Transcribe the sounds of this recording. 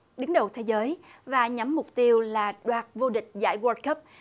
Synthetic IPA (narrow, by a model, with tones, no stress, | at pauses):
ɗɨ˨˦ŋɗə˨˩wt̪ʰe˨˦zəː˨˦jvaː˨˩ɲa˨˦mːʊ˨˩k͡p̚t̪i˧əwlaː˨˩ɗwaː˨˩t̚vo˧ɗï˨˩k̟̚za̰ː˧˥jwəː˧t̚kə˦˥p̚